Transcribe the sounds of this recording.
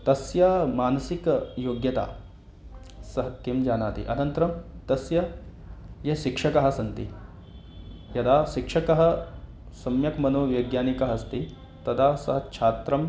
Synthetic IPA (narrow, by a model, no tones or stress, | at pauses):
t̪ɐsjaːmaːnɐsikjoːɡjɐt̪a̰ː | sɐɦɐkimd͡ʒaːnaːt̪ḭʔɐ̰nɐnt̪ɐɾɐmt̪ɐsjɐ | jɐʃikʂɐkɐɦɐ̆sɐnt̪i | jɐd̪aːʃikʂɐkɐɦɐ̆ | sɐmjɐkmɐnoːʋjɐːɡjaːnikɐɦɐst̪i | t̪ɐd̪aːsɐɦɐt͡ʃʰaːt̪ɾɐm